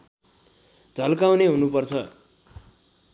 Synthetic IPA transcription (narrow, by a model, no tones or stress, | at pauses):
d͡zʱʌlkawneɦunupʌrt͡sʰʌ